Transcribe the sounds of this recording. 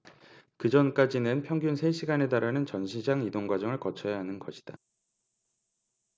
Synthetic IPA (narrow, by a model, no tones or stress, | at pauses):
kɯd͡ʑʌnk͈ad͡ʑinɯnpʰjʌŋɡjunsʰe̞ɕʰiɡane̞taɾanɯnt͡ɕʌnɕʰid͡ʑaŋidoŋɡwad͡ʑʌŋɯɭkʌt͡ɕʰʌjaɦanɯnɡʌɕʰi̥d̥a